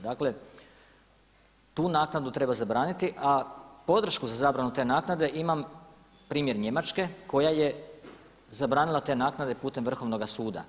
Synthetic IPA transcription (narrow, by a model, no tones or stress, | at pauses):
d̪aːkle̞ | t̪uːnaːknad̪ut̪ɾe̞bazabɾaːnit̪iʔapo̞d̪r̩ʃkuzazaːbɾanut̪e̞ːnaːknad̪e̞ʔimam | pɾiːmje̞ɾɲe̞mat͡ʃke̞ko̞jaje̞ | zabɾaːnilˠat̪e̞ːnaːknad̪e̞puːt̪e̞mʋr̩xo̞ʋno̞ɡasuːd̪a̰